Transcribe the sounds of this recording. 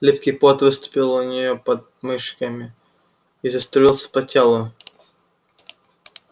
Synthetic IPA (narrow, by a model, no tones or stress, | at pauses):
lʲipkʲijpot̪vɨst̪ʊ̥pʲilˠʊnʲɪjopɐd̪mɨʂkəmʲɪ | izɐst̪ʊilˠsʲə̥pɐtʲelˠʊ